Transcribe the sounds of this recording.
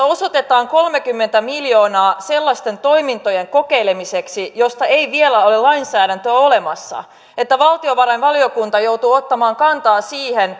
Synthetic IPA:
osot̪et̪ɑːŋko̞lmekymːent̪æmiljo̞ːnɑːse̞lːɑst̪e̞nt̪o̞imint̪o̞jeŋko̞keilemiseksijo̞st̪ɑejʋielæo̞lelɑinsæːɾænt̪øole̞mɑsːɑ̰ | et̪ːæʋɑlt̪io̞ʋɑɾɑinʋɑlio̞kunt̪ɑjo̞uwt̪uot̪ːɑmɑːŋkɑnt̪ɑːsiːhen

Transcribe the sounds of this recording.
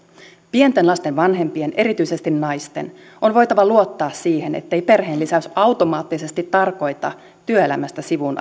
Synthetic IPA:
pient̪e̞nlɑst̪e̞nʋɑnɦe̞mpie̞nʔe̞ɾit̪yjse̞st̪innɑjst̪e̞̰n | ʔo̞nʋo̞jt̪ɑʋɑluo̞t̪ːɑːsiːɦe̞nḛt̪ːejpe̞rɦe̞ːnlisæsɑwt̪o̞mɑːt̪ːise̞st̪it̪ːɑrko̞jt̪ɑ̰ | t̪yøelæmæst̪æsiʋun

